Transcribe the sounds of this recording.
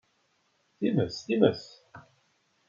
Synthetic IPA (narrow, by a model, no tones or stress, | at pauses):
θiməsθiməθ